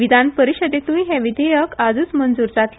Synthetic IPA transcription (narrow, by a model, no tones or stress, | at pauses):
id̪ʱanpəɾiɕəd̪et̪ũjɦɛ̃ʋid̪ʱəjəkad͡zuːt͡smənd͡zuːɾd͡zat̪l